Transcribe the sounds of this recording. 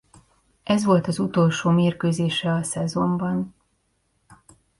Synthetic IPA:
ʔɛzʋo̞lt̪ɒzut̪o̞lʃoːmeːrkøːzeːʃɛɒsɛzo̞mbɒn

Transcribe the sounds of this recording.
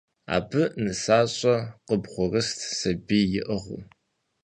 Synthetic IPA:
a̰ːbɨnɨsaːɕʼɐqəbχʷʊrɨstʰsɐbiːjɪʔəʁʷṵ

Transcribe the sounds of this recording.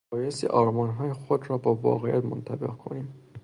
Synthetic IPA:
ɒːjest̪ḭʔɒːɾmɒːnɦɒːjexod̪ɾɒːbɒːvɒ̰ːɣejæt̪mont̪ʰæbḛɣkʰo̞̰niːm

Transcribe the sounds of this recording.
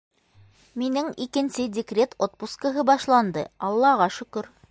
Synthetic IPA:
minɘŋikɘ̆nsɘdʲɪkrʲet̪ot̪̚puskə̆ɦɤbɑʃlˠɑnd̪ɤɑlˠːɑʁɑʃɵ̆kɵɾ

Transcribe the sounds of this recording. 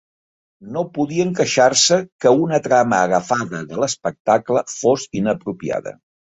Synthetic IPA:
nopuðiəŋkəʃarsəkəunət̪ɾaməːɣəfaðəðələspək̚t̪akləfosinəpɾupia̰ðə̰

